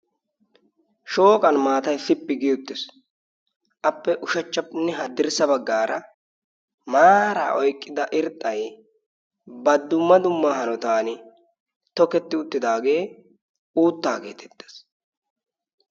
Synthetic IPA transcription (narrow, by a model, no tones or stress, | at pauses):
ʃo̞ːkʼɐnmaːt̪ɐjfɪpːɪɡɪʊt̪ːɪs | ʔɐpːɛʔʊʃɐt͡ʃːɐpnɛɦɐd̪ɪɾsɐbɐɡːaːɾɐ | maːɾa̰ːʔɔjkʼːɪd̪ɐʔɪɾt̪ʼːɐj | bɐd̪ːʊmːɐd̪ʊmːaːɦɐnɔt̪aːn | t̪ɔkɛt̪ːɪʊt̪ːɪd̪aːɡe̞ː | uːt̪ːaːɡe̞ːt̪ʰɛ̥t̪ːe̥s